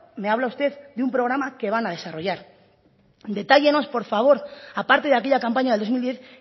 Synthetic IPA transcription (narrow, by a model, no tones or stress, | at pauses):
me̞aβ̞laust̪e̞ðd̪eumpɾo̞ɣ̞ɾamake̞β̞anað̞e̞saro̞ʝaɾ | d̪e̞t̪aʝe̞no̞spo̞ɾfaβ̞o̞ɾapaɾt̪e̞ðakeʎakampaɲaðeld̪omild̪je̞θ